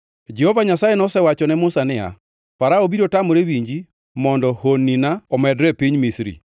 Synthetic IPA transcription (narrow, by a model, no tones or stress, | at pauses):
d͡ʒɛhɔvaɲasajenɔsɛwat͡ʃɔnɛmʊsanɪa̰ | paɾaobiɾotamɔɾewiɲd͡ʒi | mɔndɔhonːinaɔmɛdɾɛpiɲmisɾḭ